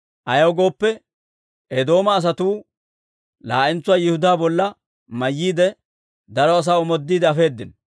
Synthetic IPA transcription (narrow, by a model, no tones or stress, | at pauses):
ʔɐjɐwɡo̞ːpːɛ | ʔɛd̪o̞ːmɐːs̬ɐt̪uː | laːʔɪnt͡sːʊwaːjɪhʊd̪aːbɔlːɐ | mɐjːiːd̪ɛ | d̪ɐɾɔɐs̬aːɔmɔd̪ːiːd̪ɛɐfe̞ːd̪ːɪn